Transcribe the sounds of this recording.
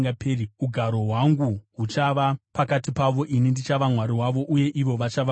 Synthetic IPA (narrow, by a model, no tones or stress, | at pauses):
ɡapeːriuɡʱaɾo̞ɦwaŋɡuɦut͡ʃaʋapakatipaʋo̞ʔinindit͡ʃaʋamwaɾiɦwaʋo̞ʔuje̞ʔiʋo̞ʋat͡ʃaʋa